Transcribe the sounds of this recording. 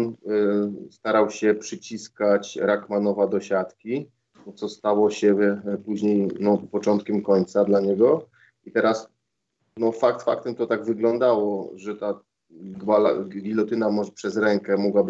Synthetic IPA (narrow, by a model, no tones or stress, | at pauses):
n | st̪aɾawɕɛpʂɘt͡ɕiskat͡ɕɾakmanɔvad̪ɔɕat̪kʲi | ɔt̪sɔst̪awɔɕɛpuʑɲejnɔpɔt͡ʂɔnt̪̚kʲɛmkɔɲt̪sad̪laɲɛɡɔ | it̪ɛɾas | nɔfakt̪fa̰kt̪ɛmt̪ɔt̪aɡvɘɡlɔnd̪awɔʐɛt̪a | ɡwala̰ɡʲilɔt̪ɘnamɔʐpʂɛzɾɛŋkɛmɔɡwab